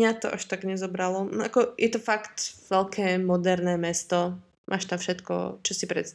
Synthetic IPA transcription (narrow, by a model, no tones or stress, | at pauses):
ɲat̪ɔʔaʃt̪aɡɲɛzɔbɾalɔʔakɔjʔɛt̪ɔfakt̪ʋɛlkʰɛːmɔd̪ɛɾnɛːmɛst̪ɔ | mʔa̰ːʃt̪amfʃɛt̪kɔ̰t͡ʃɔsipɾɛ̰t̪st̪